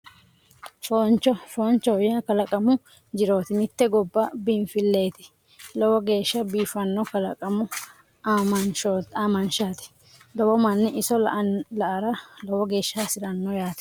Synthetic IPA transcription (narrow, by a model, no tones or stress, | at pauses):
ʃont͡ʃɔʃoːnt͡ʃːɔjaːkɐlɐkʼɐmʊ | d͡ʒɪɾo̞ːt̪ɪmɪt̪ːɛɡɔbːɐbɪnfɪlːe̞ːt̪ɪ̥ | lɔwɔɡe̞ːʃːɐbiːfɐnːɔkɐlɐkʼɐmʊ | aːmɐnʃoːt̪aːmɐnʃaːt̪ɛ̥ | lɔwɔmɐnːɪɪsɔlɐʔɐɾɐlɔwɔɡe̞ːʃːasɪɾɐnːɔjaːt̪ɛ̥